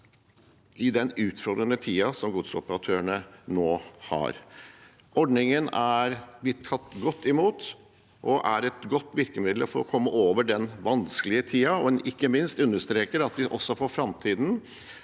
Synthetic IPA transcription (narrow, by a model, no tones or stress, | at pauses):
ɪd̪ɛnʉːt̪fɔɾd̪ɾənət̪ʰiːɑsɔmɡʊd̪sɔpəɾɑt̪ʰøːəɳənoːhɑ̰ɾ | ɔɖɳɪŋənæɾb̪ɪt̪ʰːɑt̪ːɡɔt̪ʰːɪmuːt̪ | ʔɔʔæɾɛt̪ɡɔt̪ːʋɪɾkəmɪd̪l̩fɔɾɔ̰kʰɔmːəʔoːʋəɖɛnʋɑnsklɪət̪ʰiːɑɔɛnʔɪkːəmɪnst̪ʉnːəʂt̪ɾeːkəɾɑt̪̚d̪ɪʔɔsːɔfɔɾfɾɑmt̪ʰiːd̪n̩